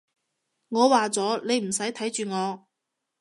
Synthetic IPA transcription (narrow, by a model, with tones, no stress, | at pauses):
ŋɔː˨˧waː˨t͡sɔː˨˥ne˨˧jm̩˨˩sɐ˨˥jt̪ʰɐ˨˥jt͡ʃyː˨ŋɔː˨˧